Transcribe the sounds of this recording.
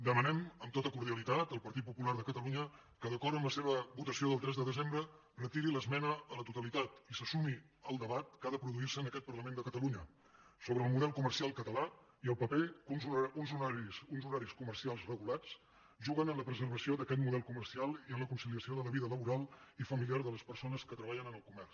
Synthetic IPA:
d̪əmənɛməmt̪ot̪əkuɾðiəlit̪at̪əlˠpəɾt̪it̪̚pupularðəkət̪əluɲə | kəðəkɔrt̪əmləseβ̞əβut̪əsioðəlˠt̪ɾɛzðəðəzembɾə | rət̪iɾiləzmɛnəːlət̪ut̪əlit̪at̪isəsumi | əlˠd̪əβat̪̚kaðəpɾuðuirsəːnəkɛt̪̚pərləmend̪əkət̪əluɲə | soβɾəːlˠmuðɛlˠkumərsialˠkət̪əla | iəlˠpəpekunzuunzuɾaɾisunzuɾaɾiskumərsialˠzrəɣulat͡s | ʒuɣənənləpɾəzərβ̞əsioðəkɛt̪muðɛlˠkumərsialˠiənləkunsiliəsioðələβiðələβuɾalˠifəmilijaɾðələspəɾsonəskət̪ɾəβaʎənənəlˠkumɛrs

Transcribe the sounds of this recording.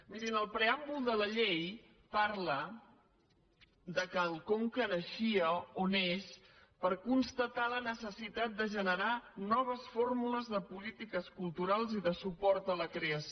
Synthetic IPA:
miɾinəlˠpɾeambulˠd̪ələʎej | paɾlə | ðəkəlˠkoŋkənəʃiəonespəɾkunst̪ət̪alənəsəsit̪at̪̚d̪əʒənəɾanɔβ̞əsformuləzðəpulit̪ikəskulˠt̪uɾalˠziðəsupɔɾt̪ələkɾeəs

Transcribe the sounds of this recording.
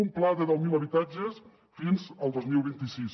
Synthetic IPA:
umplaðəðɛwmiləβit̪ad͡ʒəs | finzəlˠd̪ozmilˠβint̪isis

